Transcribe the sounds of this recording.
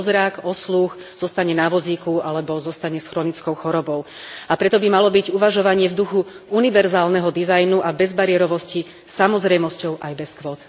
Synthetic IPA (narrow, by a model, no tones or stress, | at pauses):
zɾakɔslux | z̥ɔst̪aɲɛnaʋɔziːkualɛbɔzɔst̪aɲɛsxɾɔnit͡skɔʊxɔɾɔbɔʊ | apɾɛt̪ɔbimalɔbiɟuʋaʒɔʋaɲɪɛvd̪uxu | uniʋɛɾzaːlnɛɦɔd̪izajnuʔabɛzbaɾɪɛɾɔʋɔsci | samɔzɾɛjmɔscɔʊʔajbɛskʋɔt̪